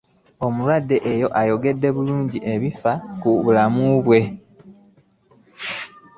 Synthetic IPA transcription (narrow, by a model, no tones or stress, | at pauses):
o̞mulwadːe̞ʔejo̞ʔajo̞ɡe̞dːe̞βuluːɲɟiʔe̞βifakuβulamuβwe̞